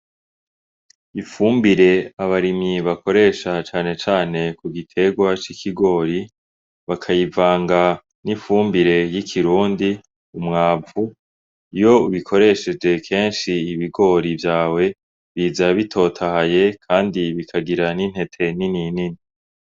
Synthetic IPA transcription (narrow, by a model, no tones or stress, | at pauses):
ifuːmbiɾe̞aβaɾimiβakʰo̞ɾe̞ːʃat͡ʃaːne̞t͡ʃaːne̞kuɡitʰe̞ɡwat͡ʃikʰiɡo̞ːɾi | βakʰajivaːŋɡa | nifuːmbiɾe̞jikʰiɾuːndi | umŋaːvu | ijo̞uβikʰo̞ɾe̞ʃe̞d͡ʒe̞kʰe̞ːnʃiːβiɡo̞ɾivjaːwe̞ | βiːzaβitʰo̞tʰahaje̞kʰaːndiβikʰaɡiɾanin̥he̞tʰe̞nininini